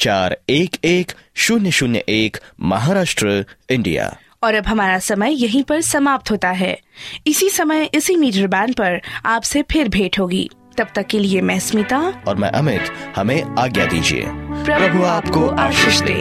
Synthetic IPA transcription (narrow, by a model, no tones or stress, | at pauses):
t͡ʃaːɾeːkeːkʃʊnjəʃʊnjəʔeːkmɐɦaːɾaːʃʈɾəɪ̃ɳɖḭja̰ː | ɔːɾɐbɦɐmaːɾasɐməjjɐɦĩpɐɾsɐmaːp̚t̪ɦoːt̪aɦɛ̰ːɪsisɐməjɪsimiːɖəɾbãːnɖpɐɾaːpsepʰɪɾbʱeːʈɦoːɡḭː | t̪ɐb̚t̪ɐkːeliemɛ̃ːsmiːt̪aɔːɾmɛ̰̃ʔɐmɪt̪hɐmẽaːɡja̰d̪ḭːd͡ʒḭḛːpɾɐpɾɐbʱuaːpkoʔaːʃɪːʃd̪ḛː